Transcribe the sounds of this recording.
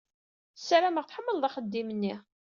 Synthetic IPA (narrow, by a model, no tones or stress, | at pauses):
sːæɾæməʁθħəmːəlðˤɑχəd̪ːimənːi